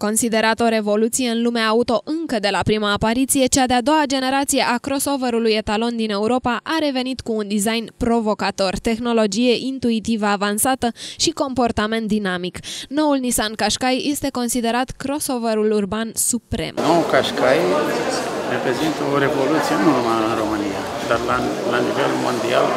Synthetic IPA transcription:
ko̞nsid̪e̞ɾat̪o̞ɾe̞vo̞lut̪sije̞ɨnlumeːut̪o̞ʔɨŋkəd̪e̞lapɾimaːpaɾit̪sije̞t͡ʃad̪ead̪o̞wad͡ʒe̞ne̞ɾat̪sije̞ʔakɾo̞so̞vəɾuluje̞t̪alo̞nd̪ine̞uɾo̞paʔaɾe̞ve̞nit̪kuːnd̪izajnpɾo̞vo̞kat̪o̞rt̪e̞xno̞lo̞d͡ʒije̞ʔint̪uit̪ivəavansat̪əʃiko̞mpo̞rt̪ame̞nt̪̚d̪inamikno̞ulnisankaʃkajje̞st̪e̞ko̞nsid̪e̞ɾat̪kɾo̞so̞veɾulurbansupɾe̞̰mnowukaʃkaj | re̞pɾe̞zint̪əoɾe̞vo̞lut̪sijenunumaɨnɾo̞mɨnija | d̪arlalanivelmo̰nd̪ia̰l

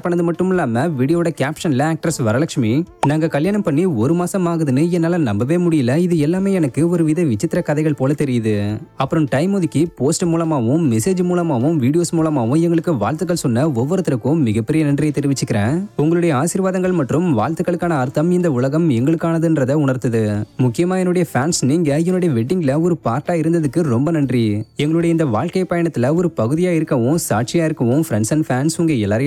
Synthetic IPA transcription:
pːɐɳːɐðɯmɐʈːɯmɪlːaːmɐʋiːɽɪjoːɽɐkaːpʂɐnɪlɐaːk̚ʈɾɐsʋɐɾɐlɐkʂminaːŋɡɐkɐljaːɳɐmpɐɳːiɔɾɯmaːsɐmaːɣɯðɯnɯɛnːaːlɐnɐmbɐʋeːmʊɽɪjɪlːɐɪðɯɛlːaːmeːɛnɐkːɯɔɾɯʋɪðɐʋɪt͡ʃːɪt̪ːɪɾɐkɐðɐɪɣɐɭpoːlɐt̪ɛɾɪjɐðɯɐpːɯɾɯmʈɐɪmɔðɪkːɯpoːsʈmuːlɐmaːʋɯ̃mɛseːd͡ʒmuːlɐmaːʋɯ̃mʋiːɽɪjoːsmuːlɐmaːʋɯ̃mɛŋɡɐɭɯkːɯʋa̰ːɭt̪ɯkːɐɭsɔnːɐɔʋːɔɾɯt̪ːɪɾɐɯkːʊ̃mɪɣɐpːɛɾɪjɐnɐnɖrɪjɐt̪ɛɾɪʋɪt͡ʃːɯkːɪɾẽːʊŋɡɐɭɯɽɐjɐaːsɪɾʋaːðɐŋɡɐɭmɐʈrɯmʋaːɻt̪ɯkːɐɭɯkːaːnɐɐɾt̪ːɐmɪnd̪ɐʊɭɐɣɐmɛŋɡɐɭɯkːaːnɐðɯndrɐðɐʊɳɐɾt̪ːɐðɯmʊkːɪjɐmaːɛnːɯɽɐjɐfaːnsniːŋɡɐɛnːʊɽɐjɐʋɛʈːɪŋɡɪlɐɔɾɯpaːɾʈaːɪɾɯnd̪ɐðɯkːɯɾɔmbɐnɐndriɛŋɡɐɭɯɽɐɪnd̪ɐʋaːɭkɐɪpːɐjɐɳɐt̪ːɪlɐɔɾɯpɐɣɯðɪjaːɪɾɯkːɐʋʊ̃saːʈ̚t͡ʃɪjaːɪɾɯkːɐʋʊ̃fɾɛɳsɐnfaːnsʊŋɡeːɛlːaːɾɐj

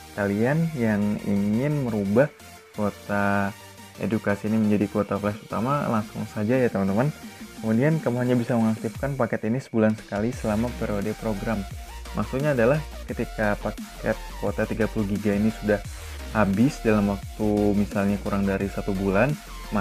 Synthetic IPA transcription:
kalianjaŋḭŋɪnməɾubah | kot̪a | ʔḛdukasiːniməɲd͡ʒadikot̪aflɛksut̪a̰malaŋsʊ̰ŋsad͡ʒajat̪əmant̪əmankəmudiankəmuɦaɲabisaməŋak̚t̪ɪfkanpakɛt̪inisə̥bulansə̥kalisəlamapeɾodepɾoɡɾammʔa̰ksut̪̚ɲaːdalah | kət̪ikapak | ɛt̪̚kot̪at̪iɡapuluɡiɡainisudah | habɪsdalamwak̚t̪umisalɲakuɾaŋdaɾisat̪ubulan | ma

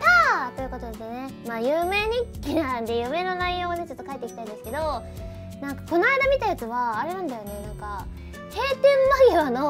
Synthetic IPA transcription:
t̪aːt̪o̞jɯ̟ko̞t̪o̞d̪esne̞maːjɯːme̞ːɲ̟ikʲːinand̪e̞jɯ̟me̞ːno̞naijo̞ːad̪et͡ɕo̞t̪ːo̞kaet̪ːeki̥t̪aĩdesɨ̥ke̞d̪o̞ | nãŋkḁko̞naid̪amʲit̪ajat͡sɨβaːɾe̞nãnd̪ajo̞ne̞nãŋka | he̞ːt̪ẽ̞mːaɡʲiβano̞

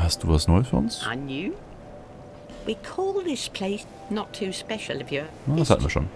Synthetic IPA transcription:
hastd̥uːvasnɔʏəsfyːɐʔʊnsə̰nʉ | wikʰɔːlˠðɪspʰl̥eɪs | nətʰʉspɛʃl̩ˠʌvjənaːdasha̰ʔn̩viːɐʃo̰ːn

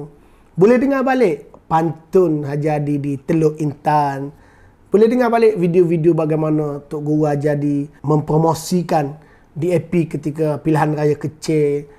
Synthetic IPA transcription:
bolɛhdəŋabalɪʔpant̪ʊnɦad͡ʒadidit̪əlʊʔint̪an | b̥olɛhdəŋabalɪʔvidiovidiobaɡajmanat̪ʊʔ̚ɡuwad͡ʒadimə̃mpromosikan | diepikət̪ikapilaɦanrajakət͡ʃɪl

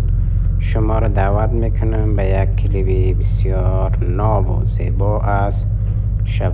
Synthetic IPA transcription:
ʃʊmɔːɾɔd̪aːvat̪mekʰʊnambajak̚kʰːilibibisjɔ | ɾ | nɔbṵz̥ḛːbɔʔaz | ʃab

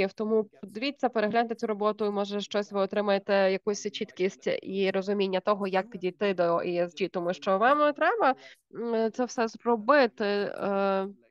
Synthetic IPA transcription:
iwt̪ɔmud̪ɪʋʲit͡sʲːɐpeɾeɦlʲant̪ɪt͡sʲuɾɔbɔt̪ʊimɔʒɛʃt͡ʃɔsʲʋɪɔt̪ɾɪmɐjet̪ɛjɐkusʲt͡ʃit̪kʲisʲtʲiɾɔzʊmʲinʲːɐt̪ɔɦɔjɐkdʲit̪ɪd̪ɔiɛzʲd͡ʒʲit̪ɔmuʃt͡ʃɔʋɑmt̪ɾɛbɐ | t̪sɛwsɛzrɔbɪt̪ɪ

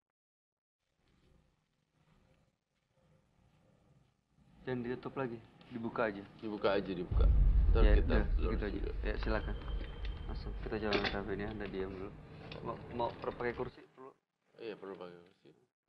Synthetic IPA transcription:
dandit̪ut̪ʊplaɡidibukaːd͡ʒadibukaːd͡ʒadibuka̰t̪aaiakit̪aad͡ʒajasilakanmasʊkkit̪ad͡ʒawanankafinjandadiamulumamaupəɾupakɛkursipərlu | ijapərlupakɛkursi

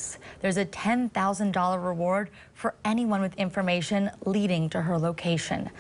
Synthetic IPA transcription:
sðə˞zɨtʰɛ̃nθaʊzə̃ndɔlˠə˞ɹɪwɔɹd̥ | fə˞ɛniwʌ̃nwɨðɪ̃ɱfə˞meɪʃɨ̃nliɾɪ̃ŋtʰɨə˞loʊkʰeɪʃɨ̰̃n

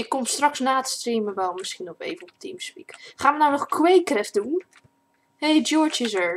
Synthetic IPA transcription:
ɪkːɔmstrɑksnaːtstriməʋɛlˠmɪsχinɔpḛjvənɔpətimspikχaːnʋənawnɔχkwejkrɛfdun | hejd͡ʒɔɹt͡ʃɪsəɹ

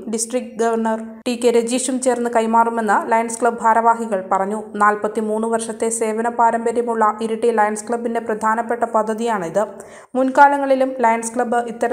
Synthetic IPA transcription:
ɖisʈrikɡɐʋɐrɳɐr | ʈiːkːeɾed͡ʑiːʂumt͡ɕe̞ːrnːɨkɐjmaːrume̞nːɨlɐjɐnskɭɐbbʱaːɾɐʋaːɦiɣɐɭpɐrɐɲːunaːlpɐt̪ːimuːnːuʋɐrʂɐt̪ːe̞se̞ːʋɐnɐpaːɾɐmbɐɾjɐmuɭːɐʔiɾuʈːilɐjɐɳskɭɐbːinde̞prɐd̪ʱaːnɐpːe̞ʈːɐpɐd̪ʱːɐðijaːɳiðɨ | munkaːɭɐŋːɐɭilumlɐjɐnskɭɐbɨit̪ːɐɾ

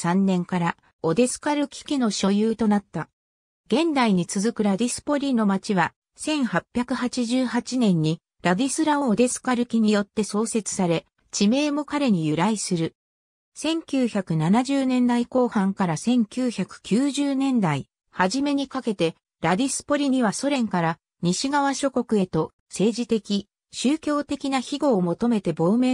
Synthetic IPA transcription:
sãnːẽ̞ŋkaɾa | o̞d̪e̞sɨ̥kaɾɯ̟kʲi̥kʲino̞ɕo̞jɯːt̪o̞nat̪ːa | ɡ̥ẽ̞nd̪aiɲ̟it͡sɨzɨkɯ̟ɾad̪ʲisɨ̥po̞ɾʲino̞mat͡ɕiβa | sẽ̞ɰ̃hapʲːjakɯ̟hat͡ɕiʑɨːhat͡ɕinẽ̞ɲ̟ːi | ɾad̪ʲisɨɾaoːd̪e̞sɨ̥kaɾɯ̟kʲiɲ̟ijo̞t̪ːe̞so̞ːse̞t͡sɨ̥saɾe̞ | t͡ɕime̞ːmo̞kaɾe̞ɲ̟ijɯ̟ɾaisɨɾɯ̟ | sẽ̞ŋkʲɨːçakɯ̟nanaʑɨːnẽ̞nd̪aiko̞ːhãŋkaɾasẽ̞ŋkʲɨːçakɯ̟̥kʲɨːʑɨːnẽ̞nd̪ai | haʑime̞ɲ̟ikake̞t̪e̞ | ɾad̪ʲisɨ̥po̞ɾʲiɲ̟iβaso̞ɾẽ̞ŋkaɾa | ɲ̟iɕiɡaβ̞aɕo̞ko̞kɯ̟e̞t̪o̞ | se̞ːʑit̪e̞kʲi | ɕɨːkʲo̞ːt̪e̞kʲinaçiɡo̞ːmo̞t̪o̞me̞t̪e̞bo̞ːme̞

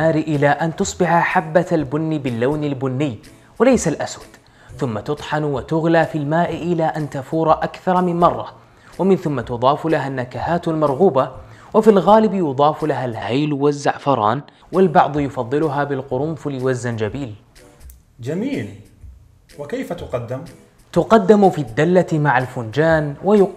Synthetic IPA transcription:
aːɾɪʔɪlaːʔant̪ʊsˤbɪʕaħabːaalbʊnːɪbɪlːawnɪlbʊnːɪjː | walajsalʔaswad̪̥ | θʊmːat̪ʊt̪ˤħɑnwat̪ʊɣlaːfilmaːʔɪʔɪlaːʔant̪afuːɾˤɑʔakθɑɾˤɑmɪmmɑrˤːɑ̰ | wamɪnθʊmːat̪ʊd̪ˤɑːflaɦanːakahaːt̪almɑɾˤɣuːbawafilɣaːlɪbjʊd̪ˤɑːflaɦalhajlwazːaʕfɑɾˤɑ̰ːn | wɪlbɑʕd̪ˤjʊfɑðˤːɪlʊɦaːbɪlqʊɾʊmflɪjwazːand͡ʒabiːl | d͡ʒamiːl | wɪkajfat̪ʊqɑd̪ːɪm | t̪ʊqɑd̪ːɪmʊfid̪ːalːat̪maʕalfʊnd͡ʒaːnwajʊ

